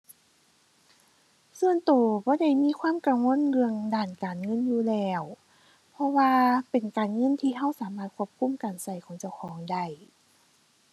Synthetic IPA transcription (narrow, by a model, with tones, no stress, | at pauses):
sɯ˧ənt̪oː˨˩bɔː˧˦da˧˩jmiː˧˥˨kʰwaː˧˥˨mka˨˩ŋwo˧˥˨nlɯ˧əŋdaː˧˩nkaː˨˩nŋɤ˧˥˨njuː˧lɛː˧˩w | pʰɔ˧waː˧pe˨˩nkaː˨˩nŋɤ˧˥˨nt̪ʰiː˧ɦa˧˥˨wsaː˨˦maː˧˩t̪̚kʰu˧˩əp̚kʰu˧˥˨mkaː˨˩nsa˧˩jkʰɔː˨˦ŋt͡ɕa˧˩wkʰɔː˨˦ŋda˧˩j